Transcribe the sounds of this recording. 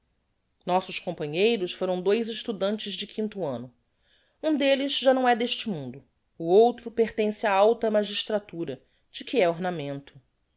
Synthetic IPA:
nɔsʊʃkõmpɐ̃ɲejɾʊsfoɾɐ̃w̃d̪ojzɪʃt̪ud̪ɐ̃nt͡ʃɪzd͡ʒɪkʰĩnt̪ʊɐ̃nʊ | ũd̪elɪzʒanɐ̃w̃ɛd̪eʃt͡ʃɪmũnd̪ʊː | owt̪ɾʊpeɾt̪ẽsɪaawt̪ɐmaʒiʃt̪ɾat̪uɾɐ | d͡ʒɪkiɛoɾnamẽnt̪ʊ̥

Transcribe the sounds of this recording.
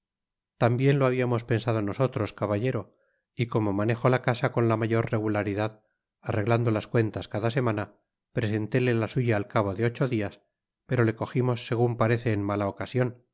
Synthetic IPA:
t̪ambje̞nlo̞aβ̞iamo̞spe̞nsaðo̞no̞so̞t̪ɾo̞skaβaʎe̞ɾo̞ | iko̞mo̞mane̞xo̞lakasako̞nlamaʝo̞ɾre̞ɣulaɾiðað | are̞ɣland̪o̞laskwe̞nt̪askaðase̞mana | pɾese̞nt̪e̞lelasuʝaːlkaβ̞o̞ðeo̞t͡ʃo̞ðias | pe̞ɾo̞le̞ko̞ximo̞sːe̞ɣ̞umpaɾe̞θe̞ːnmalao̞kasjo̞n

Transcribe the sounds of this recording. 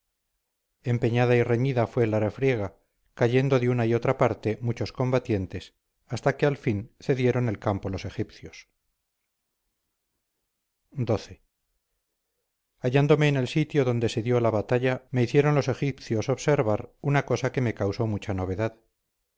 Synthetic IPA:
e̞mpe̞ɲaðaire̞ɲiðafwe̞larefɾje̞ɣ̞a | kaʝe̞nd̪o̞ðeunaio̞t̪ɾapaɾt̪e̞mut͡ʃo̞sko̞mbat̪je̞nt̪e̞s | ast̪akealfinθe̞ðje̞ɾo̞ne̞lkampolo̞se̞xipθjo̞s | d̪o̞θe̞ | aʝand̪o̞me̞ːne̞lsit̪jo̞ðo̞nd̪e̞se̞ðjolaβat̪aʎame̞iθje̞ɾo̞nlo̞se̞xipθjo̞so̞βse̞ɾβaɾunako̞sake̞me̞kawso̞mut͡ʃano̞β̞e̞ðað

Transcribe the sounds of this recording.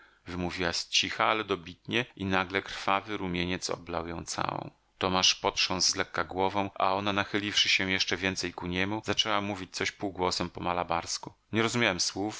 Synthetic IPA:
vɘmuvʲiwast͡ɕixaalɛd̪ɔbʲit̪ɲɛʔinaɡlɛkɾ̥favɘɾumʲjeɲɛt̪sɔ̰bla̰wjɔ̰̃w̃t̪sa̰wɔ̰̃w̃ | t̪ɔmaʂpɔt̪ʂɔ̃nzzlɛkːaɡwɔvɔ̃w̃ʔa̰ɔnanaxɘlʲifʂɘɕɛ̃jɛʂt͡ʂɛvʲjɛnt̪sɛjkuɲɛmuzat͡ʂɛwamuvʲit͡ɕt̪sɔɕpuwɡwɔsɛmpɔmalabaɾskuɲɛɾɔzumʲjawɛmswuf

